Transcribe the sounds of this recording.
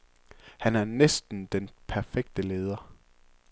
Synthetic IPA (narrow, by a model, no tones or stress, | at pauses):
hænæɐnesd̥n̩d̥enpʰæɐfeɡ̥̚d̥əle̝ːð̞ˠɐ